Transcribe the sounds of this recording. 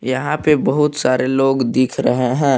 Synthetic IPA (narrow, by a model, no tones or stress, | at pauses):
jɐɦãpebɐɦʊt̪saːɾʔeloːɡd̪iːkʰɾɐ̰ɦeɦɛ̃ː